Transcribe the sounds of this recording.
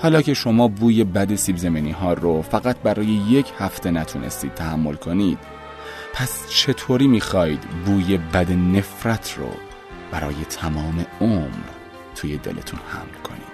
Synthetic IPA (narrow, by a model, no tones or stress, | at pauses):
hɒːlɒːcʰe̞ʃo̞mɒːbuːje̞bæd̪e̞sibzemeniːɦɒːrofæɣæt̪̚ʰbæɾɒːje̞je̞cʰhæft̪ʰe̞næt̪ʰunʔḛst̪iːd̪̚t̪ʰæhæmːo̞lkʰo̞niːd̪̥̚ | pʰæst͡ʃʰe̞t̪ʰoːɾiːmiːxɒːjid̪buːje̞bæd̪ene̞fɾæt̪ʰro̰ | b̥æɾɒ̰ːje̞t̪ʰæmɒːme̞omɾ | t̪ʰuːjed̪ḛlʔe̞̰t̪ʰunhæ̰mlkʰo̞̰nḭːd̪̥